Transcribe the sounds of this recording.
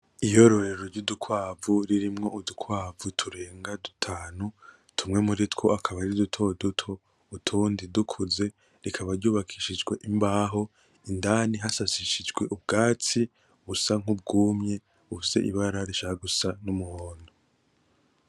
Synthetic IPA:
ijo̞ɾo̞ɾe̞ɾoɾɟudukʰwaːvuɾiɾimŋo̞ʔudukʰwaːvutʰuɾe̞ːŋɡadutʰaːnu | tʰumŋe̞muɾitkwo̞ʔakʰaβaɾidutʰo̞dutʰo̞ | utʰuːndidukʰuze̞ | ɾikʰaβaɾɟuːβakʰiʃid͡ʒɡwe̞ʔimbaːɦo̞ | indaniɦasasiʃid͡ʒɡwe̞ʔub̚ɡaːt͡si | uβusaŋ̥ub̚ɡuːmɲe̞ | ufise̞̰ʔḭβaɾaɾiʃahaɡusanumuhoːno

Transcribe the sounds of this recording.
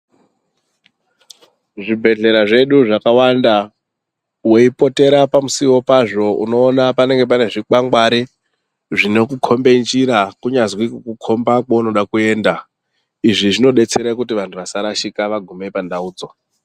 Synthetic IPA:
ʐibʱe̞ɮe̞ɾaʐe̞ɗuʐakawanda | we̞ipo̞te̞ɾapamusiwo̞paʐo̞ʔṵno̞ːnapane̞ŋɡe̞p̬ane̞ʐikaŋɡwaɾi | ʐino̞kukʰo̞mbe̞nd͡ʒiɾakuɲazwikukukʰo̞mbakwauno̞ɗakue̞ːnda | iʐiʐino̞ɗe̞t͡se̞ɾekutiʋantʰuʋasaɾaʃikaʋaɡʱumepandauːd͡zo̞

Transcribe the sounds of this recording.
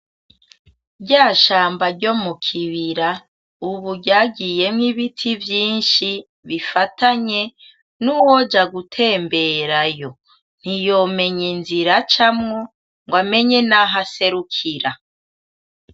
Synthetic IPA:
ɟaːʃaːmbaɾɟo̞mukʰiβiɾa | uβuɟaːɡije̞mŋiβitʰivjiːnʃi | βifatʰaɲe̞ | nuwod͡ʒaɡutʰe̞ːmbe̞ɾajo̞ | n̥hijo̞ːme̞ɲinziɾat͡ʃamŋo | ŋɡwame̞ɲe̞naɦase̞ɾukʰiɾa

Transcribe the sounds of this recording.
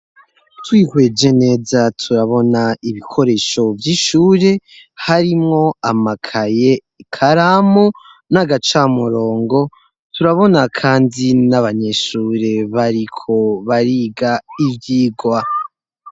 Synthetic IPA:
twiːkwe̞d͡ʒe̞ne̞ːzatʰuɾaβo̞naiβikʰo̞ɾe̞ːʃo̞vjiʃuːɾe̞haɾimŋo̞amakʰaje̞ | kʰaɾamo | naɡat͡ʃaːmuɾo̞ːŋɡo̞ | tʰuɾaβo̞nakʰaːndinaβaɲe̞ʃuːɾe̞βaɾikʰo̞βaɾiːɡaivjiːɡwa

